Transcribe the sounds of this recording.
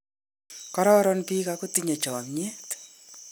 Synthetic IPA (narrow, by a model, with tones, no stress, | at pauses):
kɔ˦ɾɔ˦ɾɔnpi˦kako˦tiɲe˨t͡ʃɔ˨a˨mɲe˦t